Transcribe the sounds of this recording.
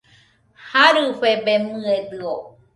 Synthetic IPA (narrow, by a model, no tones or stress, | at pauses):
haɾɨɸebemɨ̃ed̪ɨo